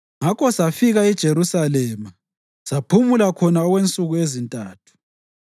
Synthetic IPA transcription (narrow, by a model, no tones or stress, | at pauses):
ŋakɔsafiɣaɛd̥ʒ̥ʱeɾusalɛːma | sapʰumulakʰɔnaɔɣwent͡sʼuɣuezintʼaːtʰu̥